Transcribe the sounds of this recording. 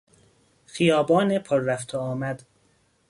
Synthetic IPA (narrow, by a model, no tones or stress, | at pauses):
xijɒːbɒːnepʰɒɾːæft̪ʰɒɒːmæd̪̥